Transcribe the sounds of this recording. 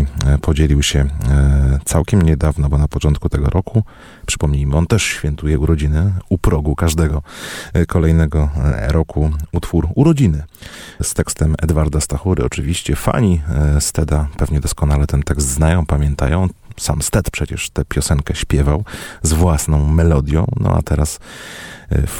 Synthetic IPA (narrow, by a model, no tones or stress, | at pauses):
pʰɔd͡ʑelʲiwɕɛ | t̪sawkʲɛmɲɛd̪avnɔbɔnapɔt͡ʂɔnt̪̚kut̪ɛɡɔɾʔɔku | pʂɘ̥pɔmɲejmɘɔnt̪ɛʂɕfʲjɛnt̪ujɛuɾɔd͡ʑinɘupɾɔɡukaʐd̪ɛɡɔkɔlɛjnɛɡɔɾɔkʰuut̪fuɾuɾɔd͡ʑinɘst̪ɛkst̪ɛmɛ̰d̪vaɾd̪ast̪axuɾɘ̰ɔt͡ʂɘvʲiɕt͡ɕɛfa̰ɲist̪ɛd̪apɛvɲɛd̪ɔskɔnalɛt̪ɛnt̪ɛkst̪znajɔ̃w̃pamʲjɛnt̪a̰jɔ̃w̃sa̰mst̪ɛt̪pʂɛt͡ɕɛ̰ʂt̪ɛpʲjɔsɛŋkɛɕpʲjɛvawzvwasnɔ̃w̃mɛlɔd̪ʲjɔ̰̃w̃nɔ̰a̰t̪ɛɾas